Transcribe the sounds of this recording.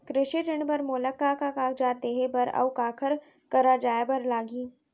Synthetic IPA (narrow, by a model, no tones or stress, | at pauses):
kɾɪʃiʈɪɳbɐɾmoːləkːakakaːkd͡ʒaːt̪eɦebɐɾɐ̰wkaːkʰəɾ | kɐɾad͡ʒaːebɐɾlaːɡiː